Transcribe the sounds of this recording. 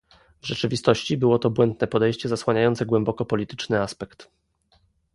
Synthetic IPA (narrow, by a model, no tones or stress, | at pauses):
vʐɛt͡ʂɘvʲist̪ɔɕt͡ɕibɘwɔt̪ɔbwɛnd̪nɛpɔd̪ɛjɕt͡ɕɛzaswaɲajɔnt̪sɛɡwɛmbɔkɔpɔlʲit̪ɘ̥t͡ʂnɘaspɛkt̪